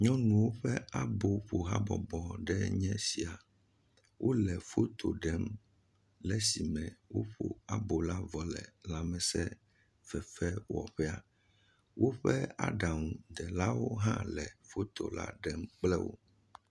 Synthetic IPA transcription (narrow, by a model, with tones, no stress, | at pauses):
ɲɔ̃˦nũ˨wo˦ɸɛ˦a˦bo˨ɸo˨ɦa̰˦bɔ̰˨bɔ˨ɖɛ˦ɲɛ̃˦si˨a˨ | wʔo˦lɛ˨fo˦t̪ʰo̰˨ɖɛ˦m | lɛ˦si˨mɛ̃˨wo˦ɸo̰˨a˨bo˨la˦vɔ˨lɛ̰˨la˦mɛ̃˨sɛ˦ | fɛ˨fɛ˦wɔ̰˨ɸɛ˦a˨ | wo˦ɸɛ˦a̰˦ɖa˨ŋũ˨d̪ɛ˨la˦wo˦ɦã˦lɛ˨fo˦t̪o̰˨la̰˦ɖɛ˦mk͡plɛ˦wo̰˦